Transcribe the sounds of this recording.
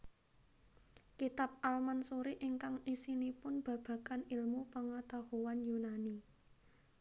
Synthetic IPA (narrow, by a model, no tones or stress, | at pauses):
kit̪ap̚ʔalmansoɾiʔɪŋkaŋisinipʊnb̥ä̤b̥ä̤kanɪlmupəŋat̪ahowanjunani